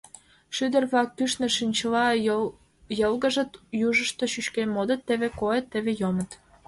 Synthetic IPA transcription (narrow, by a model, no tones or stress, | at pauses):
ʃyd̪ə̆rβlɑk̚ːyʃnĕʃynʲt͡ɕəlɑ | jəlɣəʒət̪juʒəʃt̪oʃyʃkemod̪ət̪ːeβekoet̪ːeβejomət̪